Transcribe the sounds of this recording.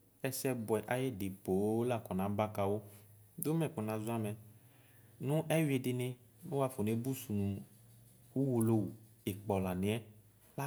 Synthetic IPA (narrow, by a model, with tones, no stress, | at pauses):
ɛ˦sɛ˦bʊ˨ɛ˨ʔa˨je˦dɪ˨po˨˦la˨kɔ˨nã˨˦ba˦ka˨wo˦d̪o˦mɛ̃˨ku˨nã˨za˦mɛ˨ | nũ˦ʔɛ˦we˨dɪ˨nẽ˦ | nu˦wa˦fo˨ne˦bu˦su˨nũ˨ | wu˦wu˨lo˦wu˨ | e˨k͡pɔ˨la˨nẽ˨˦ɛ˦ | la˦